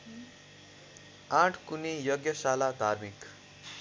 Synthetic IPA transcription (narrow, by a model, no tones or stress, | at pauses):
ãʈʰkunijʌɡjʌsalad̪ʱarmik